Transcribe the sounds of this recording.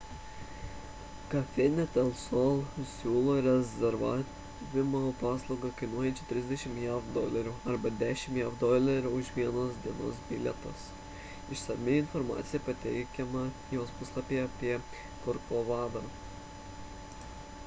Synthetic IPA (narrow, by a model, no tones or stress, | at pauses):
kɐfʲɛnʲɛt̪ɛlˠsolˠsʲuːlˠoːɾʲɛzʲɛɾʋɑ̰ː | ʋʲɪmoːpɑːslˠɐʊɡɐkɐɪnuɔjɛnʲt͡ʃʲɪt̪ʲɾʲɪzʲd̪ʲɛʃʲɪmjɛfd̪oːlʲɛɾʲuɐɾbɐd̪ʲæːʃʲɪmjɛʋd̪ɔlʲɛɾʲuʊʃʋʲiɛnoːsd̪ʲiɛno̰ːsbʲɪlʲɛt̪ɐs | ɪʃsɐmʲɪɪnfɔɾmɑ̰ːt̪sʲɪjɛpɐt̪ʲɛɪkʲɛmɐ | joːspʊslˠɐpʲeɐpʲiɛ | kɔɾkoʋɑːd̪ɑ